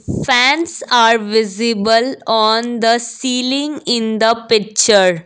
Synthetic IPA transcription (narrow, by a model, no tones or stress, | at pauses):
fæ̃ːnsaːɾʋɪzɪbəlɔ̃ːnd̪əsiːlɪ̃ŋɡɪ̃nd̪əpɪk̚t͡ʃəɾ